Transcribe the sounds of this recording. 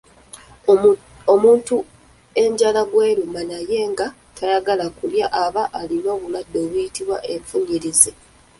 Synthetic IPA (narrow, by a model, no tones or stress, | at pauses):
omuːntu | e̞ɲɟalaɡwe̞ːɾumanaje̞ːŋɡa | tʰajaɡalakuljaʔaβaʔalinoːβuladːo̞ːβujitiβwaʔeɱfuɲiɾize